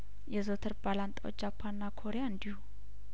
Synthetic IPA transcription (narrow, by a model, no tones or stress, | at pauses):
jɛzot̪ʰɨɾbalant̪ʼaw̰d͡ʒapʰːanːakʰo̞ɾejaɨnd̪ihu